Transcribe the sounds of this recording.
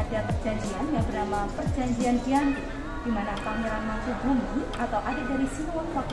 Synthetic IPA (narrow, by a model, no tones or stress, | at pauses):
adapərd͡ʒaɲd͡ʒianjaŋbərnamapərd͡ʒaɲd͡ʒianbiant̪u | d̥imanapaʔməɾanmasubumiʔat̪awʔadaʔ̚daɾisəmuawak